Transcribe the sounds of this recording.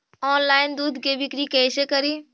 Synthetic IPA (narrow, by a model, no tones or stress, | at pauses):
ɔːnlaːɪnd̪uːd̪ʱkebɪkɾikɛːsekɐɾiː